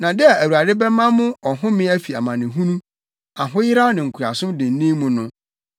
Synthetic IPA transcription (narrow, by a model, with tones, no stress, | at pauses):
nã˨dɪ˦a˨æ˨wu˨a˨dɪ˦bɛ˦mã˦mʊ̃˦ɔ˨ɦʊ̃˦mɪ̃˦æ˦fi˨a̰˨mã˨nɪ̃˨ɦũ˦nũ˦ | a˨ɦʊ̃˦jɪ˦ɾa˦nɪ̃˨ŋ̩˨kʰu˨ɾa˨sʊ̃˦dɪ̃˨n̩˨˦nĩ˦mũ˨nʊ̃˦